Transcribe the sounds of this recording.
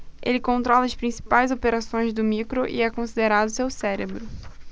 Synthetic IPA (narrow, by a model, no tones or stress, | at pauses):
ʔelɪkõnt̪ɾɔlɐspɾĩsi̥pajzopeɾasõj̃zd̪ʊmikɾoʔɪ̰ɛkõsid̪eɾad̪ʊsewsɛɾebɾʊ